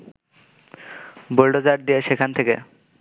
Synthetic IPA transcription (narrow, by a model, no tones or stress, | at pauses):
bolɖod͡ʑaɾ̚d̪ijeʃekʰant̪ʰekḛ